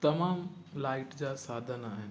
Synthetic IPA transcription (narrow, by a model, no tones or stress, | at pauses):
t̪ɐmaːm | laːɪʈd͡ʑaːsaːd̪ʱənaːɦɪnɪ